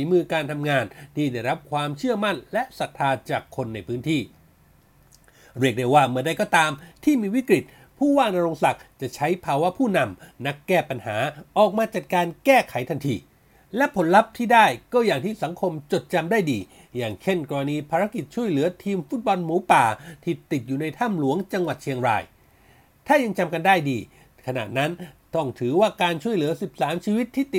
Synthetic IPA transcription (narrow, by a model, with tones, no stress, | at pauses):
iː˨˦mɯː˧kaː˧nt̪ʰa˧mŋaː˧nt̪ʰiː˥˩da˥˩jɾa˦˥p̚kʰwaː˧mt͡ɕʰɯ˥˩ɐma˥˩nlɛ˦˥ʔsa˨˩t̪ʰːaː˧t͡ɕaː˨˩kʰːo˧nːa˧jpʰɯː˦˥nt̪ʰiː˥˩ | ɾi˥˩ək̚da˥˩jwaː˥˩mɯ˧˩˧da˥˩kɔː˧˥˩t̪aː˧mt̪ʰiː˥˩miː˧wi˦˥kɾi˨˩t̪̚ | pʰuː˥˩waː˥˩ŋna˧ɾoː˧ŋsa˨˩k̚t͡ɕa˨˩ʔt͡ɕʰa˦˥jpʰaː˧wa˦˥pʰuː˥˩na˧mna˦˥kːɛː˥˩pa˧nhaː˩˦ʔɔː˨˩k̚maː˧t͡ɕa˨˩t̪̚kaː˧nkɛː˥˩kʰa˨˩˦jt̪ʰa˧nt̪ʰiː˧ | lɛ˦˥pʰo˩˦nla˦˥p̚t̪ʰiː˥˩daː˥˩jkɔː˥˩jaː˨˩ŋt̪ʰiː˥˩sa˩˦ŋkʰo˧mt͡ɕo˨˩t̪̚t͡ɕa˧mdaː˥˩jdiː˧ | jaː˨˩ŋt͡ɕʰe˥˩nkɔː˧ɾa˧niː˧pʰaː˧ɾa˦˥ki˨˩t̪̚t͡ɕʰu˥˩əjlɯ˩˦ɐt̪ʰiː˧mfu˦˥t̪̚bɔ˧nmuː˨˦paː˨˩t̪ʰi˧˩t̪i˨˩t̪̚juː˨˩na˧jt̪ʰa˥˩mlu˨˩˦əŋt͡ɕa˧ŋwa˨˩t̪̚t͡ɕʰi˧əŋɾa̰ː˧j | t̪ʰaː˥˩ja˧ŋt͡ɕa˧mka˧ndaː˥˩jdiː˧ | kʰa˧na̰˨˩t̪̚na˦˥nt̪ɔ˥˩ŋt̪ʰɯː˩˦waː˥˩kaː˧nt͡ɕʰu˥˩əjlɯː˨˩˦ɐsi˨˩p̚saː˩˦˥mt͡ɕʰiː˧wi˦˥t̪ʰːiː˥˩t̪i˨˩